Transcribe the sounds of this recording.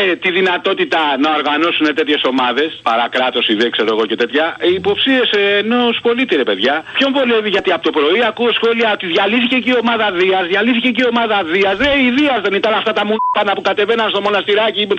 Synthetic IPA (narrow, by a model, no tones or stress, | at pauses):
et̪iðinɐt̪o̞t̪it̪ɐnɐo̞ɾɣɐno̞sune̞t̪e̞t̪çe̞so̞mɐðe̞spɐ̰ɾɐkɾɐt̪o̞siðekse̞ɾo̞e̞ɣo̞ce̞t̪e̞t̪çɐiːpo̞psie̞seːno̞spo̞lit̪iɾepe̞ðʝɐpço̞ɱvo̞le̞viʝɐt̪iɐpot̪opɾo̞iɐkuosxo̞liɐo̞t̪iðʝɐliθice̞ciio̞mɐðɐðiɐzðʝɐliθiceceio̞mɐðɐðiɐzðeiðiɐzðe̞nit̪ɐnɐft̪ɐt̪ɐmunpɐnɐpukɐt̪e̞ve̞nɐnst̪o̞monɐst̪iɾɐci